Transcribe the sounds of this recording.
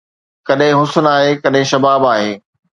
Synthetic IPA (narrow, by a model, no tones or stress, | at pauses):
kɐɗɦɪ̃ɦʊsʊnaːɦekɐɗɦɪ̃ʃɐbaːbaːɦeː